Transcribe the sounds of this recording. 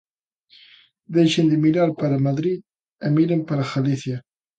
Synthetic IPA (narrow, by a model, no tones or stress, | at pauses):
d̪ejʃend̪ɪmiɾaɾpaɾamaðɾið | emiɾempaɾaxaliθja